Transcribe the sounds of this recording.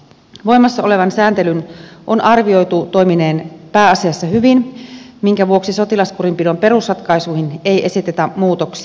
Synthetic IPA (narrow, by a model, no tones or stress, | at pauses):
ʋo̞jmɑsːɑo̞le̞ʋɑnsæːnt̪elynʔo̞nʔɑrʋio̞jt̪ut̪o̞jmine̞ːnpæːɑsiɑsːɑhyʋin | miŋkæʋuoksiso̞t̪ilɑskurimpido̞mpe̞ɾusrɑt̪kɑjsuːhinejʔe̞sit̪et̪æmuːt̪oksi̥